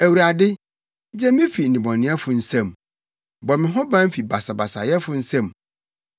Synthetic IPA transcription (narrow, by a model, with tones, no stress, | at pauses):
æ˨wu˨ɾa˨dɪ˦ | d͡ʑɛ˦mɪ̃˦fi˨n̩˨nĩ˨bɔ̃˨nɪ̃˨˦ɛ˦fʊ˨n̩˦sɛ̃˦˨m | bɔ˨mɪ̃˨ɦɔ̃˦bã˦m̩˦fi˨ba˨sa˨ba˨sa̰˨jɛ˦fʊ˦n̩˦sɛ̃˦˨m